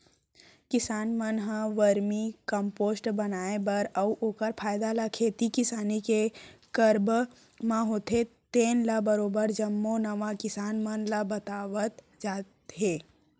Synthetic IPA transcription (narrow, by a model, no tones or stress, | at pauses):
kɪsaːnmənɦãʋəɾmikɐ̃mpoːsʈbɐnaːebɐɾɐuʔoːkəɾpʰaːjd̪alakʰeːt̪ikɪsaːnikekəɾb | mãɦoːt̪ʰet̪eːnlabəɾoːbəɾd͡ʒɐmːonɐʋakɪsaːnmənlabɐt̪aːʋət̪ | d͡ʒaːt̪ɦeː